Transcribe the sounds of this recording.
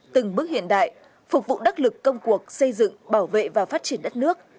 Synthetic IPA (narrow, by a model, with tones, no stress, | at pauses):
t̪ɨ˨˩ŋɓɨ˦˥k̚hḭ˧˨ənɗa̰ː˧˨j | fʊ˨˩k͡p̚vṵ˧˨ɗa˦˥t̚lɨ˨˩kːə˧wŋ͡mku˨˩ək̚sə˧jzɨ̰˧˨ŋɓaː˧˩wvḛ˧˨vaː˨˩wfaː˦˥t̚t͡ɕi˧˩ənɗə˦˥t̚nɨ˦˥ək̚